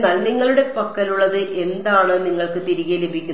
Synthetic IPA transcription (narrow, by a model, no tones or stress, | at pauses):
naːlniŋːɐɭuɽe̞pɐkːɐluɭːɐðɨʔe̞nd̪aːɳɨniŋːɐɭkɨt̪iɾiɣɐlebʱikʲːun